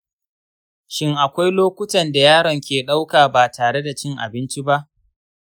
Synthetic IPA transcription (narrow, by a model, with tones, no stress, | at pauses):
ʃɪ˦ŋʔa˨kʷa˦jloː˦kʷʊ˦tɐ˨nda˨jaː˦ɽɐ˨ŋkʲeː˨ɗa˦wkaː˨baː˨taː˨ɽe˦da˨t͡ʃɪ˦ŋʔa̰˨bɪ˦nt͡ʃi˦ba˦ʔ